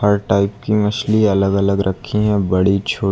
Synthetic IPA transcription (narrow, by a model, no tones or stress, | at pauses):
hɐɾʈaːɪp̚kimɐʃliɐləɡɐləɡɾʔɐkʰːiɦɛ̃bɐɽit͡ʃʰoː